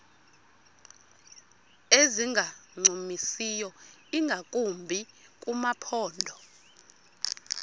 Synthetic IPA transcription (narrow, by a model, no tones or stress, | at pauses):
eziŋɡʱaŋ͡ǀʱumisijɔiŋɡʱakʼumbʱikʼumapʰɔːndʱɔ